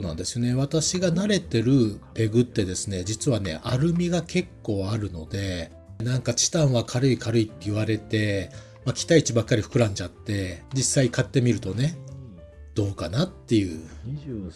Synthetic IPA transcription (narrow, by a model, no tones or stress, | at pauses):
onã̰nd̪e̞sɨjo̞ne̞βat̪aɕiɡanaɾe̞t̪e̞ɾɯ̟pe̞ɡɯ̟t̪ːe̞d̪e̞sɨne̞d͡ʑit͡sɨβane̞̰ʔaɾɯ̟mʲiɡakʰe̞kːo̞ːaɾɯ̟no̞d̪e̞ | nãŋkat͡ɕi̥t̪ãɰ̃βakʰaɾɯ̟ikaɾɯ̟it̪ːe̞ɯβaɾe̞t̪e̞ | makʲi̥t̪ait͡ɕibakːaɾʲiɸɯ̟̥kɯ̟ɾãɲ̟d͡ʑat̪ːe̞d͡ʑisːaikat̪ːe̞mʲiɾɯ̟t̪o̞ne̞ | d̪̥o̞ːkanat̪ːe̞jɯ̟ː